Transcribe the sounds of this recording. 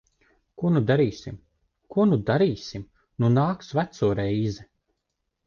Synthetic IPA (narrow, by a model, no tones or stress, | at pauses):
kuɔnud̪aɾiːsim | kuɔnud̪aɾiːsʲim | nunaːksvæt̪suɔɾɛjzɛ